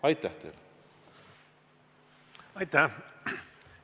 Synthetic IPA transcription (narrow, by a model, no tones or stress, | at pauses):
ɑjt̪ːˑæht̪ḛːl | ɑjt̪ːæ